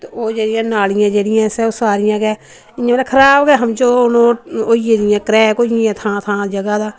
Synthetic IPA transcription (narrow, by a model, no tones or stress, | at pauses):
t̪ːoːd͡ʒeːɽɪjãːnaːlɪjãːd͡ʒeːɽɪjãːsɛːosaːɾɪjãːɡɛː | ɪjãmeːlaːkʰəɾaːbɡɛːɦəmt͡ʃoːʊnõːoːieːd̪ɪjãːkɾɛːkoːɪ̃ãːt̪ʰãːt̪ʰãːd͡ʒəɡaːd̪aː